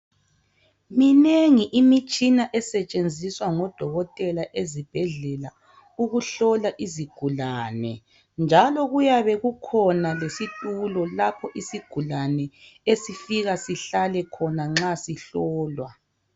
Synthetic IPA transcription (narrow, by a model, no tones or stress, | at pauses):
mineŋiʔimit͡ʃʼinaʔɛsɛt͡ʃʼend͡zʱiswaŋɔd̥ʱɔɣɔtʼɛlaʔezib̥ʱɛɮɛla | uɣuɬɔlaʔiziɡ̥ʱulanɛ̰ | nd͡ʒʱalɔɣujaβɛɣukʰɔnalesitʼulɔlapʰɔʔisiɡ̥ʱulanɛesifiɣasiɬalɛkʰɔnaŋ͡ǁasiɬɔːlwa